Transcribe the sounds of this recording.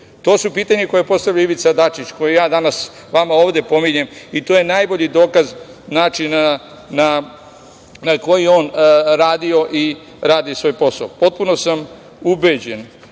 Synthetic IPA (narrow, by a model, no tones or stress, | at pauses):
t̪o̞ːsupiːt̪aɲeko̞jepo̞st̪aʋʎaiʋit̪sad̪at͡ʃit͡ɕko̞jejaːd̪anas | ʋamaoːʋd̪e̞po̞miɲe̞mit̪oːje̞najbo̞ʎid̪o̞ːkaz | naːt͡ʃina | na | nako̞jio̞ːnɾaːd̪io̞ʔi | ɾaːd̪isʋo̞jpo̞saopo̞t̪̚puno̞sam | ubed͡ʑe̞n